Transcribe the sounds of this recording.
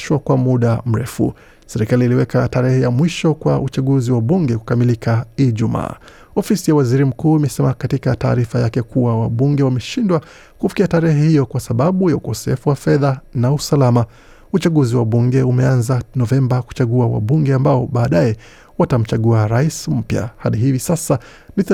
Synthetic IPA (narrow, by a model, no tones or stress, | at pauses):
ʃwakwamuɗam̩ɾɛfṵ | sɛɾikaliːliwɛkataɾɛhɛjamwiʃɔkwa̰ʔut͡ʃaɠuziwaɓuŋɡɛku̥kamilikʰaiʄuma̰ː | ɔfisijawaziɾim̩kuːimɛsɛmakatikata̰ːɾifajakɛkuwawaɓuŋɡɛwamɛʃindwa | kufi̥kiataɾɛhɛhijɔkwasaɓaɓujaukɔsɛfuwafɛðanausalama | ut͡ʃaɠuziwaɓuŋɡɛumɛanzanɔvɛmbaku̥t͡ʃaɠuawa̰ɓuŋɡɛambaɔɓaːɗajɛ | watam̩t͡ʃaɠuaɾaism̩pja̰haɗiɦivisasa | ni